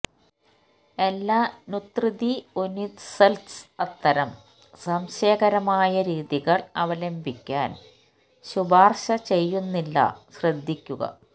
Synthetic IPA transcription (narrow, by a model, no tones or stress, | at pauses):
e̞lːaːnut̪rɨðionisɐlsɐt̪ːɐɾɐm | sɐmɕɐːɣɐɾɐmaːjɐɾiːðiɣɐɭɐʋɐlɐmbʱikʲːa̰ːn | ɕubaːrɕɐt͡ɕe̞jːunːilːɐ̰ɕrɐd̪ʱːikʲːuɣɐ̰